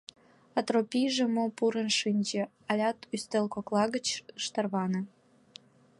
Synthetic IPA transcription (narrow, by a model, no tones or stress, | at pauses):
ɑt̪ropʲijʒĕmopuɾənʃinʲd͡ʑĕ | ɑlʲɑt̪yst̪elkoklˠɑɣət͡ɕɯʃt̪ɑrβɑnɤ̆